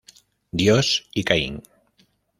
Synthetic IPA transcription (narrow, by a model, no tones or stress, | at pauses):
d̪josikaḭŋ